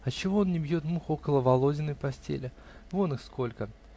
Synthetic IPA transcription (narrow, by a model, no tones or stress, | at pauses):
ɐt͡ɕɪvo̞onnʲɪbjo̞t̪muxo̞kəlˠəvɐlˠo̞dʲɪnɨjpɐsʲtʲḛlʲɪ | vonɨxsko̞lʲkə